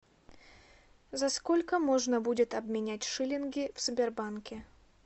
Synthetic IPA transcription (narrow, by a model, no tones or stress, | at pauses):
zɐskolʲkəmo̞ʐnəbudʲɪt̪ɐbmʲɪnʲætʲʂɨlʲɪnɡʲɪfsʲʊbʲɪrbankʲɪ